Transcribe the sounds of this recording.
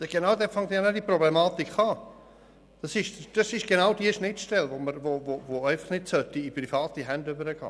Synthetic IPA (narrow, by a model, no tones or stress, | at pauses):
ɛʃɡ̥enaʊd̪ɛfɑŋd̪ɛnadiproblemɑːt̪ikχɑː | d̥ɑsɪʃd̥ɑsɪʃɡ̥enaʊdiəʃnɪtʃtɛlvoməɾvovovoɛɪfəχnɪtsœtːiiprifɑːtiɦɛndʏbəɾəɡɑ̰ː